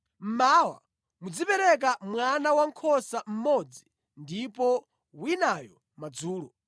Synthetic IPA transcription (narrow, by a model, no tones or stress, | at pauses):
m̩mawa̰ | mud͡zipɛɾɛk̬amwanawaŋkʰɔsam̩mɔd͡zi | ndipɔ | winajɔ | mad͡zuːlɔ